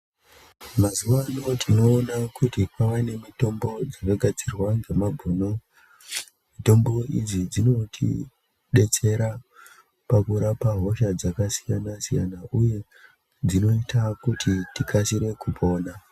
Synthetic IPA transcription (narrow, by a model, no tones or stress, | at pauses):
mazuʋano̞tʰino̞ːnakutikwaʋane̞mito̞mbo̞d͡zakaɡʱad͡zirwaŋɡemabʱuːno̞ | mito̞mbo̞id͡zid͡zino̞tʰḭ | ɗe̞t͡se̞ɾa | pakuɾapaɦo̞ʃad͡zakasi̥janasijanaʔuje̞ | d͡zino̞itakutʰitikʰasiɾe̞kupʰo̞ːna